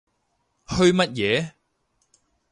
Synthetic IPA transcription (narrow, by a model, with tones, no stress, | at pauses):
hɵ˧ɥmɐ˥t̚jɛː˨˧˦